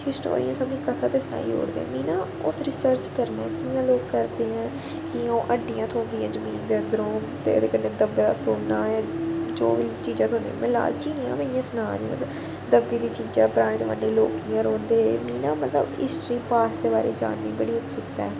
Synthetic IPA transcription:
hɪsʈo̰ːɾḭãːsəbĩːkət̪ʰãːt̪eːsəna̰ːḭːɦo̰ːɽd̪ḛːɛ̰̃ːmiːnãː | ʊsɾɪsəɾt͡ʃkəɾnẽːt̪ʰɪɪjãːloːɡkəɾd̪eːɦɛ̃ː | kɪõːʔəɖijãːt̪ʰõːnd̪ijãːzəmiːnd̪eənd̪əɾõːt̪ḛːd̪eːkənːẽːd̪əbasoːnːãːjãːd͡ʒoːʋiːt͡ʃiːd͡ʒãːt̪ʰoːnd̪ĩjãmɪla̰ːlt͡ʃiːniːã̰ːmejãːsənãːniːmə̰t̪ləb | d̪əbiːd̪iːt͡ʃiːd͡ʒãːpʊɾaːɽ̃eːt͡ʃ̪emə̰nːẽːlo̰ːkijãːɾoːnd̪eːmiːnãːmət̪lə̰bɪ̰sʈɾiːpaːsd̪eːbaːɾḛːd͡ʒa̰ːnːiːbəɽiːʊksʊɾt̪ɛ̰ː

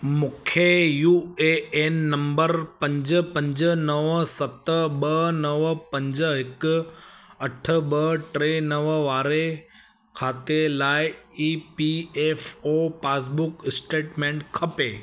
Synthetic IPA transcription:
mʊkʰejuːeenːɐ̃mbəɾpɐ̃ɲd͡ʑəpɐ̃ɲd͡ʑənɐʋsɐt̪əɓɐnɐʋpɐ̃ɲd͡ʑəɦɪk | ɐʈʰəɓəʈɾenɐʋʋaːɾe | kʰaːt̪elaːɪiːpiefopaːs̬bʊkɪsʈeːʈmẽɳʈkʰɐpeː

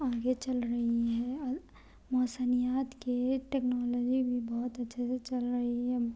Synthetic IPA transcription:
ãːɡet͡ʃɐlɾɐɦiɦɛ | mɔːsənijaːt̪keʈeːknɔːlɔːd͡ʒibʱibɔɦʊt̪ɐtːʃʰeset͡ʃɐlɾɐɦiɦɛ

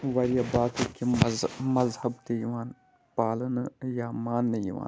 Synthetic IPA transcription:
ʋɐɾjabaːt̪ɨkizmɐzhɐbt̪ejiʋaːn | paːlɐnɨjamaːnːɐjḭʋa̰ːn

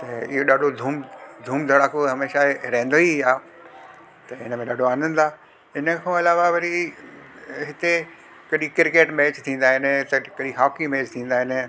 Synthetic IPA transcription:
t̪ɐɪɦoɗaːɖʱod̪ʱuːmd̪ʱuːmd̪ʱɐɽaːkoɦɐmeːʃaɾẽːnd̪oiaː | t̪ɐɪ̰nə̆mẽɗaːɖʱoaːnə̃nd̪aː | ɪnə̆kʰãːɪlaːʋaʋɐɾi | ɦɪt̪e | kɐɗikɪɾkeːʈmeːt͡ɕt̪ʰĩːn̆d̪aːɦɪnɪ̆t̪ɐkɐɗiɦaːkimeːt͡ɕt̪ʰĩːn̆d̪aːɦɪnɪ̆

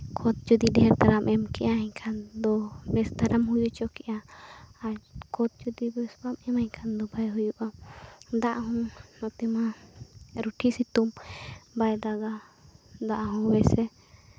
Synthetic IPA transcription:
kʰɔt̪̚t͡ʃud̪id̪ɛɛɾt̪aɾamʔɛmkɛʔjaɦɛ̃kʰand̪ɔbɛst̪aɾʔamɦujut͡ʃɔkɛʔaakʰɔt̪̚t͡ʃud̪ibɛsbamɛmãkʰand̪ɔbʱajɦujuʔad̪aʔɦɔ̃nɔt̪ɛmã | ɾuʈʰisit̪umbajd̪aɡad̪aʔɦũbɛsɛ

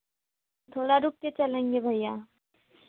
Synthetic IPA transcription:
t̪ʰoːɽaɾup̚ket͡ʃɐlẽːŋɡebʱəjjaː

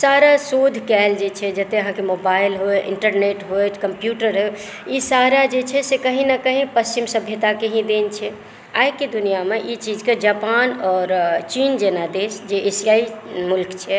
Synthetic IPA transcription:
saɾasod̪ʱkɛld͡ʒet͡ʃʰɛd͡ʒət̪eəɦãkemobaɪlɦoeʔɪ̰ɳʈəɾneʈɦojt͡ʃkəmpjuʈəɾɦe | isaɾad͡ʒet͡ʃʰɛsekəɦĩnəkəɦĩpəst͡ʃimsəbʱjət̪akeɦĩd̪ent͡ʃʰɛ | ajked̪unijameʔit͡ʃid͡ʒked͡ʒapanɔːɾt͡ʃind͡ʒenad̪esd͡ʒeʔesijaimulkt͡ʃʰɛ

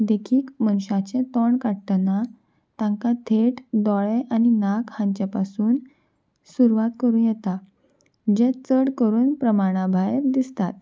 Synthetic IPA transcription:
d̪ekʰiːkmənɕat͡ɕẽt̪ɔɳkaʈna | t̪ãŋkat̪ʰeʈd̪ɔɭeʔañinakhãɲt͡ɕjapasuːn | suɾuʋat̪kəɾuːnjɛt̪a | d͡ʑet͡səɽkəɾuːnpɾəmaɽ̃abʱajɾd̪ist̪at̪̚

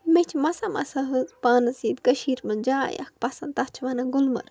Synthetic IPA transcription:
met͡ʃʰmɐsamɐ̰sɐɦɨzpaːnɨsiːd̪kɐʃiːɾmɨnd͡ʒaːjɐ̰k̚pɐsɐnt̪ɐt͡ʃʰʋɐnɐɡʊlmɐ̰ɾ

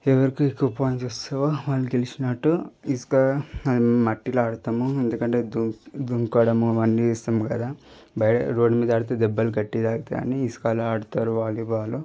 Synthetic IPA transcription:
ɛʋɐɾikiikːuʋɐpaːjɐmt͡ʃust̪ɐʋoʋaːlːuɡelisinɐʈːuiskɐɐd̪imɐʈːilaːɽut̪ɐmuend̪ukɐɳʈeːd̪ud̪uŋkoːɽɐmuʋɐnɖiist̪ɐmkɐd̪aːbɐjʈɐ̰ɾoːɖmiːd̪aːɽut̪eːd̪ɛbːɐluɡɐʈːid̪aːɡɐt̪ea̰ːniːsu̥kaːluaːɽut̪aːɾuʋaːliʋaːlu

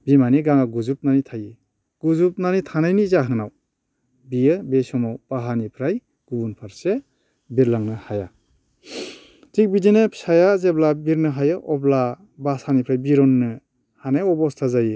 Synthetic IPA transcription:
bimaniɡaŋaɡuzup̚nanitʰaji | ɡ̥uzup̚nanitʰanajnizaɦɯŋnaw | bijɯbesɔmɔwpaɦanipʰɾaj | ɡ̥ubunpʰaɾse | biɾlaŋnɯhaja | tik̚bidinɯpʰi̥sajazeblabiɾnɯɦajɯʔɔbla | basanipʰɾajbiɾɔnːɯ | hanajɔbɔstʰazaji

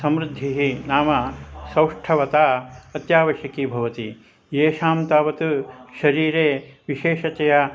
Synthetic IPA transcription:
sɐmɾud̪ʱːiɦinaːmɐsɐwʂʈʰɐʋɐt̪aːɐt̪jaːʋɐʃjɐkiːbʱɐʋɐt̪i | jeːʃaːmt̪aːʋɐt̪uʃɐɾiːɾeːʋiʃeːʃɐt͡ʃɐja

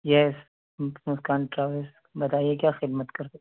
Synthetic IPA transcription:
jɛs | mʊskaːnʈɾaːʋɪs | bɐt̪aːiek̬jaːxɪd̪mət̪kɐɾt̪

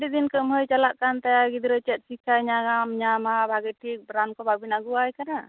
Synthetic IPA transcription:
ɖid̪inkəmɦəjt͡ʃalaʔkant̪ajaɡid̪ɾət͡ʃɛt̪̚sikʰajɲaɡamɲamabʱaɡɛʈʰik̚bɾankɔbabinaɡuwajkana

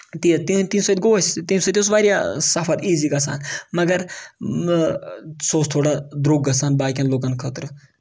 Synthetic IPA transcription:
t̪it̪it̪ĩnsɐd̪ɡoːɐst̪insɐd̪ʲosʋaːɾijasafʰɐt̪iːziːɡɐs̬a̰ːnmɐɡɐɾ | soːst̪ʰoːɽad̪ɾoːɡɐsaːnbaːkʲɐnloːkɐnkʰət̪ɾɨ

